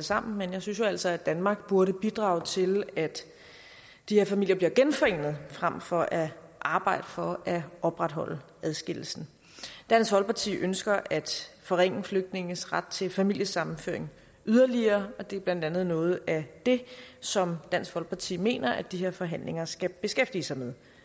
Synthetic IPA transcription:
əsɑ̈m̰n̩menjäɪsynsjoæl̰sɒ̽æd̥ænmɑ̈ːɡ̥̚b̥uɐɾəb̥id̥ʁɑ̈ːʊt͡sʰe̝læd̥ | d̥iheɐfæmil̰jɐb̥liɐɡ̥enfɒ̽e̝̰ːnð̞̩ˠfʁam̰fɒ̽ʔæʔɑ̈ːb̥ɑ̈ɪ̰d̥əfɒ̽æɒ̽b̥ʁad̥ɦɒ̽l̰ə | æðˠsɡ̥e̝l̰l̩sn̩ | d̥æn̰sɡʋɒ̽lpʰɑ̈t͡sʰḭːʔønsɡ̥ɐʔæd̥fɒ̽ʁeŋ̰əfløɡ̥̚d̥ne̝ŋəsʁad̥̚t͡sʰe̝lfæmil̰jəsɑ̈mm̩fø̰ɐe̝ŋ | ʔyðˠɐliɐːɒ̽d̥e̝ɐb̥læn̰d̥ænð̩ˠnɔ̽ːð̞̩ˠæd̥e̝sɒ̽md̥æn̰sɡ̥ʋɒ̽lpʰɑ̈t͡sʰḭːme̝̰ːnɐʔæd̥iɦeɐfɒ̽ɦæn̰le̝ŋɐsɡ̥æb̥e̝sɡ̥efd̥iːsɑ̈ɪmeð̞ˠ

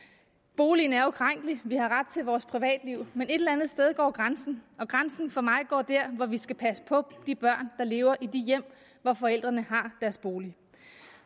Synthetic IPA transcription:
b̥o̝ːlin̩æɐokʰʁaŋ̰ɡ̥liʋihɑ̈ʁad̥̚t͡sʰe̝lʋɒːspʰʁiʋɛ̰ːd̥liʊ̰mene̝d̥elænð̞̩ˠsd̥eð̞ˠɡ̥ɒ̰ːɡ̥ʁansn̩ɒ̽ɡ̥ʁansn̩fɒ̽mɑ̈ɪɡ̥ɒ̰ːd̥æɐ̰ʋɒʋisɡ̥æpʰæsə̥pʰɒ̽d̥ib̥ɶɐ̰nd̥ɑ̈le̝ːʊɐʔid̥ijem̰ | ʋɒfɒ̽el̰d̥ʁɐnəɦɑ̈d̥æɐsb̥o̝ːli

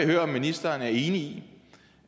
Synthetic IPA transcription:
høːɐɒ̽mːinisd̥ɐːnæɐe̝ːnii

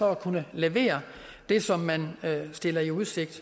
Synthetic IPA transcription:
ɒ̽ækʰunəleʋe̝̰ːɐ | d̥e̝sɒ̽mːænsd̥e̝lɐiuð̞ˠse̝ɡ̥̚d̥

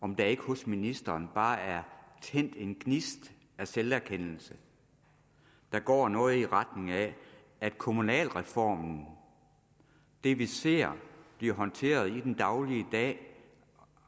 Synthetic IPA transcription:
ɒ̽md̥ɑ̈e̝ɡ̥əhɔsminisd̥ɐːnb̥ɑ̈ːæɐt͡sʰen̰d̥e̝nɡ̥nisd̥ | æselæɐkʰen̰l̩sə | d̥ɑ̈ɡ̥ɒ̰ːnɔ̽ːð̩ˠiʁɑd̥ne̝ŋæ | æd̥̚kʰo̝munɛ̰ːlʁɛfɒ̰ːmn̩ | d̥e̝ʋise̝̰ɐ̰b̥liɐɦɒ̽nt͡sʰe̝̰ːɐð̞ˠid̥end̥ɑ̈ʊliəd̥ɛ̰ː

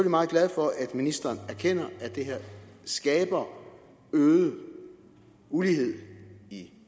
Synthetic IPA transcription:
efølimɑ̈ːð̩ˠɡlæð̞ˠfɒ̽ʔæd̥minisd̥ɐːnæɐkʰen̰ɐæd̥e̝ɦeɐ̰sɡ̥ɛːb̥ɐ | øːð̩ˠə | ulihe̝ð̞̰ˠi

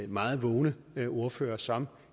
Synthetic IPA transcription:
mɑ̈ːð̞̩ˠʋɔːʊnə | ʔo̝ɐfø̰ːɐsɒ̽m

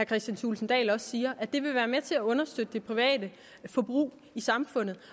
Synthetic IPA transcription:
æɐkʰʁɛsd̥jænsʰṵːlsn̩d̥ɛ̰ːlɒ̽ssiːɐʔæd̥e̝ʋe̝ʋæːɐmet͡sʰe̝æɔ̽nɐsd̥ød̥əd̥e̝pʰʁiʋɛ̰ːd̥ə | fɒ̽b̥ʁṵː | isɑ̈mfɔ̽n̰ð̩ˠ

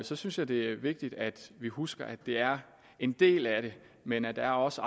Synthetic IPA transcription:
sɒ̽synsjɑ̈ɪd̥e̝æɐʋe̝ɡ̥̚d̥id̥æd̥ʋihusɡ̥ɐʔæd̥e̝æɐ | e̝nd̥e̝̰ːlæɾ̥e̝ | menæd̥ææɐɒ̽səɑ

